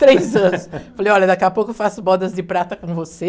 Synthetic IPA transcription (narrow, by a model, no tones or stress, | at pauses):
t̪ɾejzɐ̃nʊsfalejɔʎɐd̪akɛɐpokʊfasʊbɔd̪ɐzdɪpɾat̪ɐkõvose